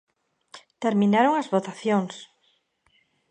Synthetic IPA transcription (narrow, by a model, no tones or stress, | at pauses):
t̪eɾmĩnaɾoŋɐzβot̪aθjoŋs